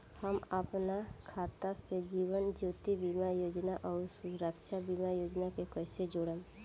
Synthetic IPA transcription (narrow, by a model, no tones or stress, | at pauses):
həməpnakʰaːt̪ased͡ʒiːwənd͡ʒoːt̪ibimajoːd͡ʒnaʔɔːɾsuɾəkʃabimajoːd͡ʒnakekəɪsed͡ʒoːɽe